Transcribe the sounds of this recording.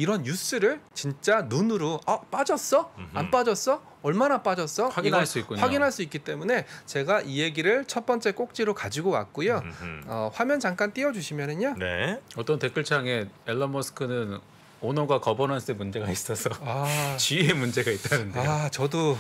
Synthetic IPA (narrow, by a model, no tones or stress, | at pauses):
iɾʌnjus͈ʰɯɾɯɭt͡ɕint͡ɕ͈anunɯɾoap͈ad͡ʑʌs͈ʌanp͈ad͡ʑʌs͈ʌ | ʌɭmanap͈ad͡ʑʌs͈ʌwaɡiɡnaɭs͈uik͈oɲwaɡinɦaɭs͈uik͈it͈e̞mune̞t͡ɕe̞ɡaʔieɡiɾɯɭt͡ɕʰʌt̚p͈ʌnt͡ɕ͈e̞k͈ok̚t͡ɕ͈iɾokad͡ʑiɡowa̰k̚k͈ojoʌɸwamjʌnt͡ɕaŋk͈ant͈iʌd͡ʑuɕʰimjʌnɯɲanḛʌt͈ʌntek͈ɯɭt͡ɕʰaŋe̞eɭːʌmʌsʰɯ̥kʰɯnɯn | onoɡakʌbʌnɦans͈emund͡ʑe̞ɡais͈ʌsʰʌat͡ɕiemund͡ʑe̞ɡait̚t͈anɯndeaot͡ɕʌdo